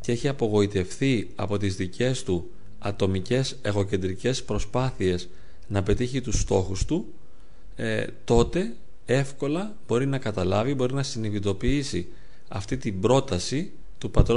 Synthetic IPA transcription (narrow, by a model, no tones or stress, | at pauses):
ceeçiɐpo̞ɣo̞it̪e̞fθiɐ̰po̞t̪izðicʰe̞st̪u | ɐt̪o̞mice̞se̞ɣo̞ce̞nd̪ɾice̞spɾo̞spɐθie̞s | nɐpe̞t̪içit̪ust̪o̞xust̪u | t̪o̞t̪e̞ | e̞fko̞lɐ | b̥o̞ɾinɐkɐt̪ɐlɐvibo̞ɾinɐsiniðit̪o̞piisi | ɐft̪it̪ibɾo̞t̪ɐsi | t̪upɐt̪ɾo